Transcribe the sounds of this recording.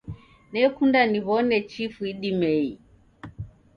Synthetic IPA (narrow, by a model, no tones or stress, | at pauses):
nɛkundaniβɔnɛt͡ʃifuiɗimɛi